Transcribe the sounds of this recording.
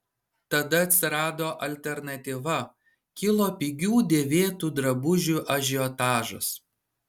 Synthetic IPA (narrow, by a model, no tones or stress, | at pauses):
t̪ɐd̪ɐɐt̪ʲsʲɪɾɑːd̪oːʔɐlʲt̪ʲɛɾnɐt̪ʲiʋɐ | kʲɪlˠoːpʲiɡʲuːd̪ʲeːʋʲeːt̪uːd̪ɾɐbʊʒʲuʔɐʒʲɪot̪ɑːʒʊs